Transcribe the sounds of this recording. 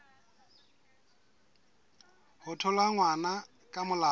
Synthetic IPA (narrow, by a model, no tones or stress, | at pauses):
hʊtʰɔlaŋwana | kʼamʊla